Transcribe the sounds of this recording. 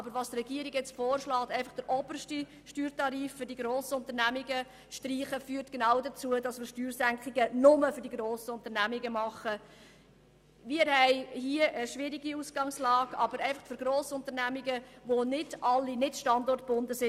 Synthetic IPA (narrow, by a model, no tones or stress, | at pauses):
ʔɑbəɾʋɑstrɛɡiəɾiɡjɛt͡stfɔːɾʃlɑːtɛɪfɑχd̥əɾʔɔbərʃti | ʃtyːɾtɑɾiːffʏɾdiɡɾoːsəʊnt̪əɾnæmiɡə | ʃtriːχəfyːɾtɡ̥enɑʊdət͡suədɑsmɪːɾʃtyːɾsæŋkχɪɡənʊməfʏɾdiɡɾoːsəʊnt̪əɾnæmiɡəmɑχə | mɪːəɾhɛɪhiəʔəʃʋɪɾiɡiusɡ̥ɑŋslɑːɡɑbəɾɛɪfɑχfʏɾɡɾoːsəʊnt̪əɾnæmiɡəʋonɪdʔɑlːinɪtʃtɑndɔrt̚b̥ʊndəsɪ